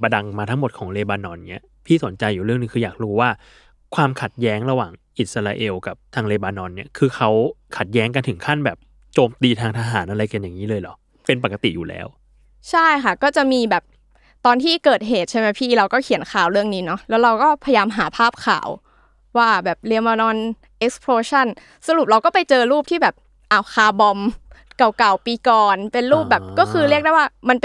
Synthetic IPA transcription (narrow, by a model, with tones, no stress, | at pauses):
ba˧da˧ŋmaː˧a˦˥ŋmo˨˩t̪̚kʰɔː˩˦ŋleː˧baː˧nɔ˧nːi˦˥˩ɐ | pʰiː˥˩so˩˦nt͡ɕa˧jːuː˨˩ɾɯ˥˩əŋnɯ˧ŋkʰɯː˧jaː˨˩k̚ɾuː˧˦waː˥˩ | kʰwaː˧mkʰa˨˩t̪̚jɛː˦˥ŋɾa˧waː˨˩ŋʔi˨˩sa˧ɾaː˧ʔe˧wka˨˩p̚t̪ʰaː˧ŋleː˧baː˧nɔ˧nːi˦˥˩ɐkʰɯː˧xʰa˦˥wkʰa˨˩t̪̚jɛː˦˥ŋk̬a˧nt̪ʰɯ˩˦ŋkʰa˥˩nbɛː˨˩p̚ | t͡ɕoː˧mt̪iː˧t̪ʰaː˧ŋt̪ʰaː˧ɦaː˩˦nʔa˧ɾa˧jka˧njaː˨˩ŋːiː˦˥lɤː˧jlɔ˨˩˦ | pe˧npa˨˩kːa˧t̪i˨˩juː˨˩lɛ̰ː˦˥w | t͡ɕʰa˥˩jkʰa˥˩kɔː˥˩t͡ɕa˨˩ʔmiː˧bɛː˨˩p̚ | t̪ɔː˧nt̪ʰiː˥˩kɤː˨˩t̪̚ɦeː˨˩t̪̚t͡ɕʰa˥˩jma˦˥pʰiː˥˩ɾa˧wkɔː˥˩kʰi˨˩˦ənkʰaː˨˩wɾɯ˥˩əŋniː˦˥nɔ˦˥lɛː˦˥wɾa˧wkɔː˥˩pʰa˧ja˧jaː˧mɦaː˩˦pʰaː˥˩p̚kʰa̰ː˨˩˦w | waː˥˩bɛː˨˩p̚li˧əma˧nɔː˧n | ʔe˦˥k̚spʰɾoː˧t͡ɕʰa˥˩n | sa˧ɾu˨˩p̚ɾa˧wkɔː˥˩pa˧jt͡ɕɤː˧ɾuː˥˩p̚t̪ʰiː˥˩bɛː˨˩p̚ | ʔa˨˩wxʰaː˨˧˩bɔ˧mka˨˩wka˨˩wpiː˧kɔː˨˩npe˧nɾuː˥˩p̚bɛː˨˩p̚kɔː˥˩kʰɯː˧ɾi˥˩ək̚da˥˩jwaː˥˩ma˧np